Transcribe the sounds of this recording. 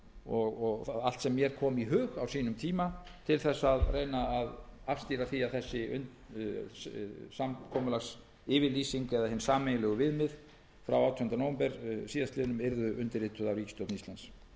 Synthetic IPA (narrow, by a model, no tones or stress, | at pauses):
ɔɣɔɣal̥t̪sɛmːjɛɾ̥kʰɔːmiɦʏːɣawsiːnʏmt̪ʰiːmat̪ʰɪlθɛsːaðrejnaːðafst̪iːɾaθiaθɛsːɪʏ̰n | samkʰɔmʏlas | ɪːvɪlisiŋkɛðaɦɛnsaːmejnlɛɣʏvɪðmɪð | fɾawawt̪ʰɔnʏnt̪anowmpɛɾsiːðast̪ɪːðʏnʏmɪɾðʏʔʏnt̪ɪɾɪt̪ʰʏðawɾiːcɪ̥st̪owtnist̪ans